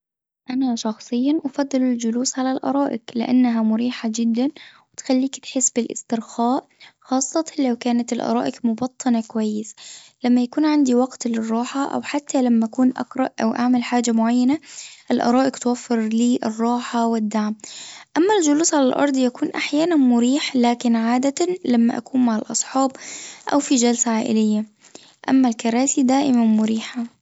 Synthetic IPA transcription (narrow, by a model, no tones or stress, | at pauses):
ʔanaʃɑxsˤɨjːɑnʔɑfɑd̪ˤːɨlɪld͡ʒʊluːsʕalalʔɑ̰ɾˤɑːʔɪqlɪ̰ʔa̰nːɦamʊɾiːħad͡ʒɪd̪ːanwɪt̪xalːiːkt̪ħɪsːbɪlʔɪ̰st̪ɪɾxaːʔxɑːsˤːɑt̪ɑlawkaːnat̪ɪlʔɑ̰ɾˤɑ̰ːʔɪqmʊbɑt̪ʰˤːɨnakʊwajːɪslamːajakuːnʕand̪iwɑɡt̪lɪrˤːɑːħaʔa̰wħat̪ʰːalamːaʔakuːnʔa̰qɾˤɑʔʔa̰wʔaʕmalħaːd͡ʒamʊʕajːanaʔɪlʔɑ̰ɾˤɑːʔɪqt̪wafːɪɾliːʔɪrˤːɑːħawɪd̪ːaʕmʔamːald͡ʒʊluːsʕalalʔɑ̰ɾˤd̪ˤjakuːnʔaħjaːnanmʊɾiːħlaːkɪnʕaːd̪at̪alamːaʔa̰kuːnmaʕalʔɑ̰sˤħɑːbʔa̰wfid͡ʒalsaʕaːʔɪ̰lɪjːa | ʔa̰mːalkɑɾˤaːsid̪aːʔɪmanmʊɾiːħa